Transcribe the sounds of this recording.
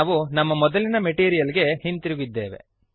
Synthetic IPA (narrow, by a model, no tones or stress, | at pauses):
ʋunɐmːɐmɔd̪ɐlinɐmeʈiːɾijɐliɡe̞hint̪iɾuɡid̪ːe̞ːʋe̞̰